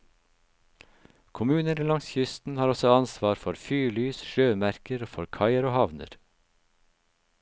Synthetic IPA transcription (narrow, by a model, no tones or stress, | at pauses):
kʰʊmʉːnəɾiːlɑŋsçʏst̪n̩hɑːɾɔsɔɑnsʋɑːɾfɔɾfyːlyːsʃøːmæɾkəɾoːfɔɾkʰɑɪəɾoːhɑʋnə̰ɾ